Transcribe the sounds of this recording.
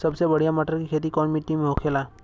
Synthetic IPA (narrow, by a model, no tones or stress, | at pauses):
səbsebəɽ̤ijamaʈəɾkikʰet̪̬ikɔɳmiʈːimeɦokʰela